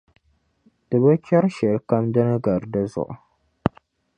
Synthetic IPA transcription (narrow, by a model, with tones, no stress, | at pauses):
d̥ɨ˨bɨ˦t͡ʃɛ˦ɾʃɛ˨lka˦mdɨ˦nɨ˦ɡa˨ɾdɨ˦zʊ̰˨ʔʊ̰˨